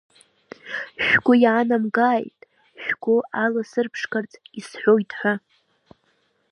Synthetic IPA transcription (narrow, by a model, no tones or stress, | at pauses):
ʃᶣɡʷʊjaːnamɡaːjtʼ | ʃᶣɡʷʊalasɨrpʰʂkart͡sʰʼisħʷojtʰʼħʷᶣa